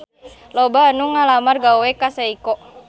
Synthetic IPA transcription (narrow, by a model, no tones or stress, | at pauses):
lɔbaːnuŋalamarɡawwɛkasaikɔ